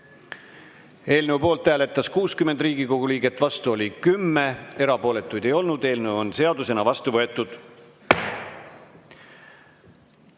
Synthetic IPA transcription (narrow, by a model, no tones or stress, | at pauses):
e̞ːlne̞upo̞ːlt̪ːˑæːle̞t̪ˑːɑskuːskyme̞nd̪riːɡ̥iko̞ɡ̥uliːɡ̥e̞t̪ːˑvɑst̪uo̞lʲikymːee̞ɾɑpo̞ːle̞t̪ːˑujd̪̥e̞jo̞lnud̪e̞ːlne̞wo̞nse̞ɑd̪use̞nɑvɑst̪uvɤe̞t̪ːˑud̪̥